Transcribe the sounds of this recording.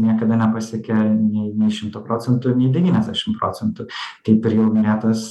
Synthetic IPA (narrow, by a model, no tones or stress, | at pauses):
nʲiɛkɐd̪ɐnʲɛpɐsʲɛkʲɛnʲɛɪnʲɛɪʃʲɪmt̪opɾoːt͡s̪ʲɛnt̪ʊnʲɛɪd̪ʲɛʋʲiːnʲɛzʲd̪ʲæʃʲɪmpɾoːt͡s̪ʲɛnt̪ʊt̪ɐɪpɪɾjɛʊnʊɾʲeːt̪ɐs